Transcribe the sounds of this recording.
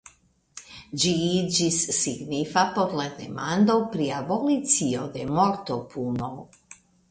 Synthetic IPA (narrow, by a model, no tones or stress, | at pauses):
d͡ʒid͡ʒisːiɡnifapoɾlad̪ḛmand̪owpɾiabolit̪siod̪emoɾt̪opʰunow